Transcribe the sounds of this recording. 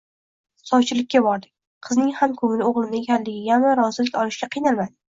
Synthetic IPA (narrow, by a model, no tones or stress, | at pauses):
sɒwt͡ʃʰɪlɪkʲːabɒɾd̪ɪkʲ | qʰɨznɪŋhamkʰɵŋlɪoʁlˠɪnɪekʲʰanlɪɡʲɪjamaɾɒzɪlɪkʲɒlˠɪʃʲaqʰɨjnalˠmad̪ɪ